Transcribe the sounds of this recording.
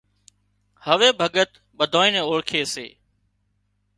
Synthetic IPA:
həʋeːbʱəɠət̪ | ɓəd̪ʱoːĩːnẽːoːɭkʰeːsḛː

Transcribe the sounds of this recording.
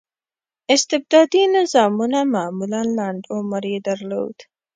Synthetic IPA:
ɪst̪ɪb̚d̪ɑd̪inɪzɑmunamamulanlaɳɖ̪omaɾed̪aɾlo̰d̪̥

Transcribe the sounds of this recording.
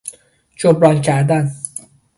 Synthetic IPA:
d͡ʒobɾɒːlcʰæɾd̪æn

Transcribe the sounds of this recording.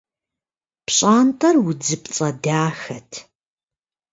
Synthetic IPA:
pʰɕʼaːntʰʼɐrwʊd͡zɨpt͡sʼɐdaːxɐtʰ

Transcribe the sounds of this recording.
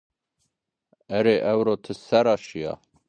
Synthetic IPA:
ɛɾeːʔɛwɾoːt̪ʰɨsɛɾɑːʃijɑ̰

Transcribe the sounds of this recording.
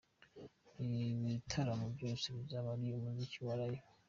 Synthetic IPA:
iβitʰaɾamubjoːnsiβizaβaɾiomuziciwaɾaji

